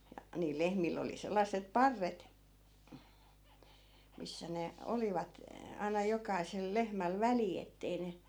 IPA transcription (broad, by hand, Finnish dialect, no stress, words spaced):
jɑ niːl lehmilː oli selːɑsˑep pɑrːet misːæ ne oliʋɑt ɑinɑ jokɑisel lehmæl ʋæli etːei ne